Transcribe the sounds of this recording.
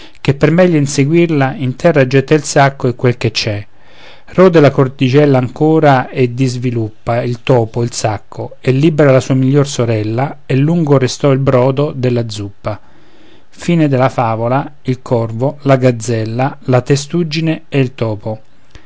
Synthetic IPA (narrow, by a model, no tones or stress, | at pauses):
k̟epːermɛʎːoinseɡwirlaint̪ʰɛrːad͡ʒːɛt̪ːailsakːoekːwelk̟et͡ʃːɛ | rɔːd̪elakort̪it͡ʃɛlːaːŋkuːɾaed̪ːizvilupːailt̪ɔːpoilsakʰːoelːibeɾalasuːamiʎːorsoɾɛlːaelːuŋɡorest̪ɔilbɾɔːd̪od̪elːad̪zːupːa | fiːned̪elafaːvolailkʰɔrvolaɡad̪zːɛlːalat̪est̪ud͡ʒːineeilt̪ɔːpo